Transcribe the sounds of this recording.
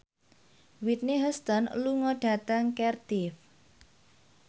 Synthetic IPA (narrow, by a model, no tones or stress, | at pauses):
wit̪̚neɦəst̪ɔnluŋɔɖ̥ä̤t̪əŋkɛrd̪̥if